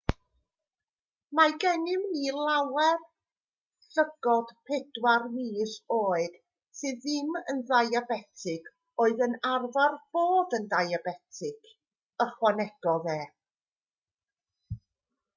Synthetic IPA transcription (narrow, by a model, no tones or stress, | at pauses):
maɡɛnɪmniːlˠawɛr | səɡɔd̥pʰɛdwarniːsoːɨd̥ | sɨðɪmənðajabɛtʰɪɡ | oːɨðənarvarb̥oːðəndajabɛtʰɪkʰ | əχwanɛɡ̥ɔðɛː